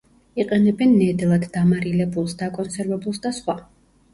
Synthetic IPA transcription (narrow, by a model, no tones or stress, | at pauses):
iqʼɛnɛbɛnːɛd̪lˠad̪ːamaɾilɛbulˠsd̪akʼɔnsɛɾvɛbulˠsd̪asχwa